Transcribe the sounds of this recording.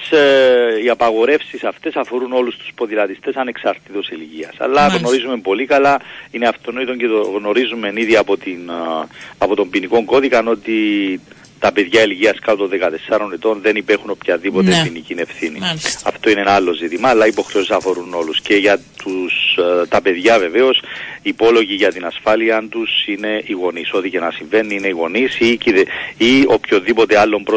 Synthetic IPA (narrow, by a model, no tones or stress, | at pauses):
s | iɐpɐɣo̞ɾe̞fsisɐft̪e̞sɐfo̞ɾuno̞lust̪u̥spo̞ðilɐt̪ist̪e̞sɐne̞ksɐɾt̪it̪oselʝiɐ̰sɐ̰lːɐɣno̞ɾizume̞mpo̞likɐlɐineɐft̪onoit̪oɲcet̪oɣno̞ɾizume̞niðiɐpot̪in | ɐpo̞t̪o̞mbiniko̞ŋɡo̞ðikɐno̞t̪i | t̪ɐpe̞ðʝɐeliʝiɐskɐpot̪onðekɐt̪e̞sɐɾo̞net̪o̞nðe̞nipexuno̞pçɐðipo̞t̪epinicine̞fθiniɐ̰ft̪o̞inenɐɐlːo̞zit̪imɐːlːɐipo̞xɾeo̞si̥sɐfo̞ɾuno̞lusce̞ʝɐt̪ust̪ɐpe̞ðʝɐve̞ve̞o̞sipo̞lo̞ʝiʝɐt̪inɐsfɐliɐnt̪usine̞ʔiɣo̞niso̞t̪ice̞nɐsiɱve̞nːiine̞iɣo̞nisiciðeio̞pço̞nðipo̞t̪ealːo̞mpɾo